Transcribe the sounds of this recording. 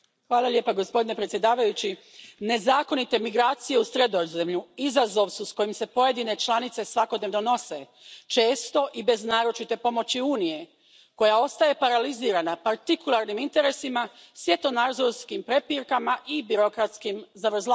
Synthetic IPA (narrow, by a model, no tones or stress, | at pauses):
xʋaːlaʎʲje̞ːpaɡo̞spo̞d̪ine̞pɾet̪sje̞d̪aːʋajut͡ɕi | ne̞zaːko̞nit̪e̞miɡɾaːt̪sije̞usɾe̞d̪ozemʎuizazo̞ʋsusko̞jimse̞po̞je̞d̪ine̞t͡ʃlanit̪se̞sʋako̞d̪neʋno̞no̞se̞ | t͡ʃe̞ːst̪o̞ʔibe̞znaːɾo̞t͡ʃit̪e̞po̞mo̞t͡ɕiuːnije̞ | ko̞jao̞st̪aje̞paɾaliziːɾanapaɾt̪ikulˠaɾnimint̪e̞ɾe̞simasʋje̞t̪o̞naɾzoɾskimpɾe̞piɾkamaʔibiɾo̞kɾat̪skimzaʋr̩za